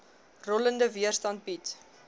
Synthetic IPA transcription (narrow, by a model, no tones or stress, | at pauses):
rɔləndəviərstɐnt̚bit